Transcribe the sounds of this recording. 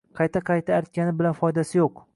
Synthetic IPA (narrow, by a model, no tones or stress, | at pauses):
qʰɑjt̪ʰaqʰɑjt̪ʰaːɾt̪̚kʲanɪbɪlanfɒjd̪asɪjoq